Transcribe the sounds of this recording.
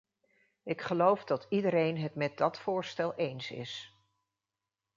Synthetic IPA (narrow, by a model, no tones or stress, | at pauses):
ɪkχəlowvdɑtidəɾejnɦətmɛt̚dɑtfʊːɹstɛlˠejnsɪ̰s